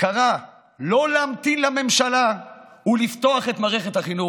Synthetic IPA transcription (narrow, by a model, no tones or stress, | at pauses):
kaʁa | lo̞leamt̪inlame̞mʃalaulift̪o̞aχet̪maːʁeχet̪haχinu